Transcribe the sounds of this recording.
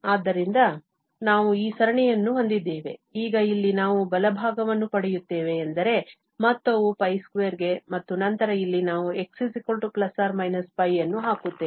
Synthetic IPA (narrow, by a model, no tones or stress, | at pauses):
aːd̪ːɐɾind̪ɐ | naːʋuiːsɐɾɐɳɛjɐnːuɦond̪id̪ːeːʋe̞̰iːɡɐilːinaːʋubɐlɐbʱaːɡɐʋɐnːupɐɽɛjut̪ːe̞ːʋe̞ːnd̪ɐɾe̞ | mɐt̪ːoʋupɐjskʋeːɾɡe̞mɐt̪ːunɐnt̪ɐɾɐilːinaːʋue̞ksisikolʈuplɐsaːɾmɐjnɐspɐjːɐnːuɦaːkut̪ːeː